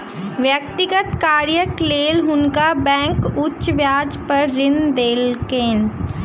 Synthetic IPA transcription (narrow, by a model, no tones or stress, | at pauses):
ʋjək̚t̪ɪɡət̪kaːɾjəkleːlɦʊnkabɛ̃ːŋkʊtːʃʋjaːd͡ʒpɐɾːɪnd̪eːlkẽːn